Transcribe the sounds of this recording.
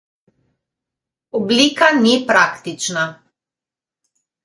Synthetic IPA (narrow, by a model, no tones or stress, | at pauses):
ɔbliːkanipɾaːkt̪it͡ʃna